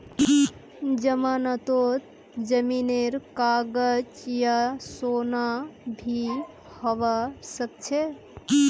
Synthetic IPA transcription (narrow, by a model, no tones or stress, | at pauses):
d͡ʒəmanət̪ot̪ | d͡ʒəmineɾkaɡəd͡ʒjasonabʱi | həʋəsək̚t͡ʃʰe